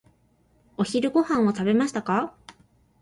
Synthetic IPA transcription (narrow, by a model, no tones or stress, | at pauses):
o̞çiɾɯ̟ɡo̞hãɰ̃o̞t̪abe̞maɕi̥t̪aka